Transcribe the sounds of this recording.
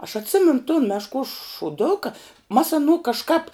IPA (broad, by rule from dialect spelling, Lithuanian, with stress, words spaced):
ɐʃ ɐtʲˈsʲɪmʲɛnʊ toːn mʲɛʃˈkuɔs ʃʊˈdʊkɐ mɐs ɐˈnuː kɐʃˈkɐp